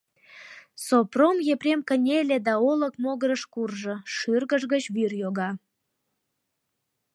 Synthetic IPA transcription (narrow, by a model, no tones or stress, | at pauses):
sopromjeprʲemkənʲelʲed̪ɑoləkmoɣəɾəʃkurʒəʃyrɣəʒɣət͡ɕβyrjoɣɑ